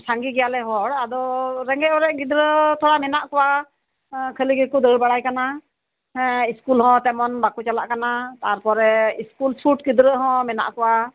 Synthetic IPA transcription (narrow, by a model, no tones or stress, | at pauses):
saŋɡiɡɛjalɛɦɔɽad̪ɔɾɛŋɡɛʔɔɾɛʔɡid̪ɾət̪ʰɔɽamɛnaʔkɔwa | kʰəliɡikud̪əɽbaɽajkana | ɛ̃iskulɦɔ̃t̪ɛmɔnbakut͡ʃalaʔkanat̪aɾpɔɾɛiskulpʰuʈ̚ɡid̪ɾəɦɔ̃mɛna̰ʔkɔwa